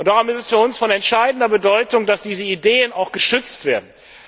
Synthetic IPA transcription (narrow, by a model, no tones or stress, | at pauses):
ʔʊntd̥aʁʊmɪstɛsfyːɐʊnsfɔnɛntʃaɪdn̩dɐbədɔʏtʊŋd̥asd̥iːzəideːənaʊxɡ̥əʃʏt͡stv̥eːɐdn̩